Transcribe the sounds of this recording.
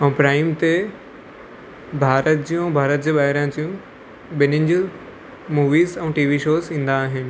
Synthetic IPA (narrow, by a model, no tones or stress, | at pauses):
ɛ̃ːpɾaːɪmt̪e | bʱaːɾət̪̚d͡ʑijũbʱaːɾət̪̚d͡ʑiːɓaːɦɪɾãt͡ɕijũ | ɓɪnɪnd͡ʑu | muːʋiːzɛ̃ːʈiːʋiʃoːzĩːn̆d̪aːɦɪnɪ̆